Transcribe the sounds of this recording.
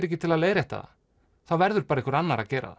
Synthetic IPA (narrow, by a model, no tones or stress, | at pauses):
ɾɛhcːɪt̪ʰɪlaðleːjɾaɛht̪a̰ða̰ | θawvɛɾðʏɾ̥paːɾaikvɾanːaɾa̰cɛːɾa̰ð